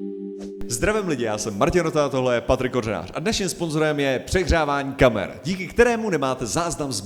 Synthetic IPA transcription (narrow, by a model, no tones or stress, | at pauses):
zd̪ɾavɛmlɪɟɪjaːsɛmːaɾcɪnot̪at̪o̞ɦlɛjɛpat̪ɾɪkorɛna̰ːr̝ʔadnɛʃɲiːmspo̞nzo̞ɾɛmjɛpr̝̥ɛɣr̝aːvaːɲiːkamɛ̰ɾɟiːkɪkt̪ɛɾɛːmunɛmaːt̪ɛzaːznamz